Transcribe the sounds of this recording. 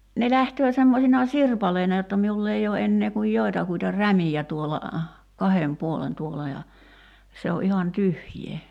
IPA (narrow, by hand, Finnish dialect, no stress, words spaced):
ne læhtøː semːosinɑ sirpɑleinɑ jotːɑ miulː ei oː enːeː kuj joi̞tɑkuitɑ ræmijæ tuolɑ kɑhem puolen tuolˑɑ jɑ se o ʔihɑn tyhjˑeː